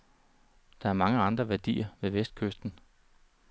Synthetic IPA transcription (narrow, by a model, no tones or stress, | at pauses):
d̥ɑ̈æɐmɑ̈ŋəɑ̈nd̥ʁɐʋæɐd̥ḭːɐʋe̝ʋesd̥̚kʰøsd̥n̩